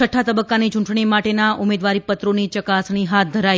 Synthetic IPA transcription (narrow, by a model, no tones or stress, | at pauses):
əʈʰːat̪əbəkːanit͡ʃũɳʈɳimaʈenaʔʊmed̪ʋaɾipət̪ɾonit͡ʃəkasniɦat̪̚d̪ʱəɾaj